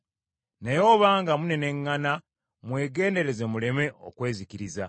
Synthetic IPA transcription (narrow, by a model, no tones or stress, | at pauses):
najo̞ːβaːŋɡamune̞ne̞ŋːana | mwe̞ːɡe̞ːnde̞ɾe̞ze̞mule̞me̞ʔo̞̰kwe̞ːzikiɾiza